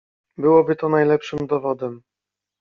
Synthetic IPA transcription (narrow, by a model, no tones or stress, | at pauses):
bɘwɔbɘt̪ɔnajlɛpʂɘmd̪ɔvɔd̪ɛm